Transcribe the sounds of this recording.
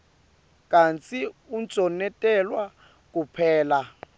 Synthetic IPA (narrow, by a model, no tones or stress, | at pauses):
kʼant͡sʼiunt͡sʼɔnɛtʼɛlwa | k̬ʼupʰɛːla